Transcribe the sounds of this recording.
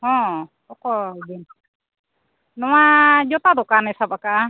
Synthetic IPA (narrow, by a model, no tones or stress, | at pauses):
ɦɔ̃ | ɔkɔbin | nɔwad͡ʒɔt̪ad̪ɔkanɛsabaka